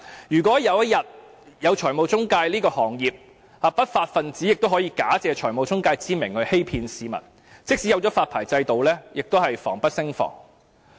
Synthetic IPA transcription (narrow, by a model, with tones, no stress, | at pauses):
jyː˨˩k̬ʷɔː˨˥jɐ˨˧wjɐ˥t̚jɐ˨t̚ | jɐ˨˧wt͡ʃʰɔː˨˩jmo˨wt͡sʊ˥ŋkaː˧jliː˥kɔː˧hɔː˨˩ŋjiː˨p̚ | haː˨˧pɐ˥t̚faː˧t̚fɐ˨nt͡siː˨˥jɪ˨k̚t̪whɔː˨˥jiː˧kaː˨˥t͡sɛː˨˧t͡ʃʰɔː˨˩jmo˨wt͡sʊ˥ŋkaː˧jt͡siː˥mɪ˨˩ŋhɵ˨˧ɥhe˥jpʰiː˧nsiː˨˧mɐ̰˨˩t̚ | t͡sɪ˥k̚si˨˥jɐ˨˧wt͡ʃɔ˨˥faː˧t̚pʰaː˨˩jt͡sɐ˧jt̪o˨wlɛː˥jɪ˨k̚t̪o˥hɐ˨jfɔː˨˩ŋpɐ˥t̚sɪ˥ŋfɔ̰ː˨˩ŋ